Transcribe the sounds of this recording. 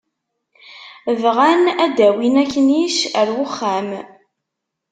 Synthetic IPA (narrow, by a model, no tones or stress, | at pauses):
vʁænæd̪æwinækːəniʃəɾwʊχːæm